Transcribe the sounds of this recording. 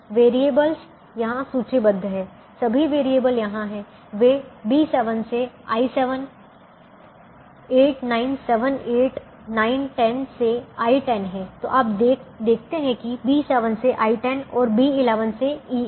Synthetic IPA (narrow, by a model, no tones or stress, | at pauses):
ʋeːɾieːbəls | jɐɦãsuːt͡ʃebɐd̪ʱːɦɛ̃ː | sɐbʱiʋeːɾieːbəljɐɦãɦɛ̃ | ʋebiːsɛːʋənse | a̰ːisɛʋən | eːʈnaːɪnsɛʋəneːʈ | naːɪnʈɛnseaːiʈɛnɦɛ̃t̪o̰ːʔap̪̚ed̪eːk̚ʰt̪eɦɛ̃kibiːsɛʋənseʔaːiʈɛnɔːɾbiːɪlɛːʋənseiː